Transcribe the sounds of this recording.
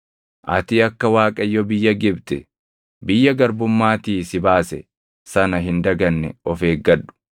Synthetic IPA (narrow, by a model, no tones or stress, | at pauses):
ʔɐt̪iːɐkːɐwaːkʼɐjːɔbɪjːɐɡɪbt̪ɛ | bɪjːɐɡɐɾbʊmːaːt̪iːsɪbaːsɛ̰ | sɐnɐɦɪnd̪ɐɡɐnːɛɔfeːɡːɐᶑːʊ̥